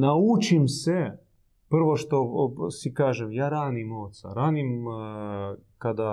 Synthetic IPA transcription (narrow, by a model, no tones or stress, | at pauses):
naut͡ʃimse | pr̩ʋo̞ʃt̪o̞sikaːʒemjaːɾaːnimoːt̪sa̰ɾaːnim | kad̪a